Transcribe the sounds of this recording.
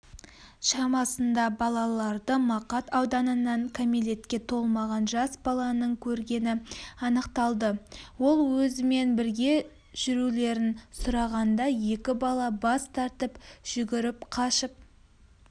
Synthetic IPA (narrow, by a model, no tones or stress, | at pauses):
ʃɑmɑsənd̪ɑbɑlˠɑlˠɑɾd̪əmɑqɑt̪ɑwd̪ɑnənɑɴkʲʰamile̞t̪kʲe̞t̪ʰo̞lˠmɑʁɑnʒɑsbɑlˠɑnəɴkʲʰɵɾɡʲe̞nɪɑnəqt̪ɑlˠd̪əwo̞lˠwɵzɪme̞nbɪɾɡʲe̞ | ʒ̥ʏɾule̞ɾɪnsʊɾɑʁɑnd̪ɑje̞kʲɪbɑlˠɑbɑst̪ʰɑɾt̪əpʒ̥ʏɡʲɪɾɪpqʰɑʃəp̚